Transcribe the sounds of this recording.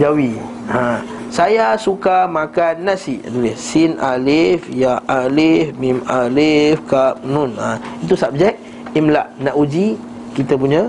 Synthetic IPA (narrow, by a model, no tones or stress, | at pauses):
d͡ʒawi | ã | sajasukamakanːãsia̰dulɛhsinalifjaʔalifmimalifkap̚nunãit̪̬usap̚d͡ʒɛk̚ | imlaʔnaʔud͡ʒi | kit̪əpuɲa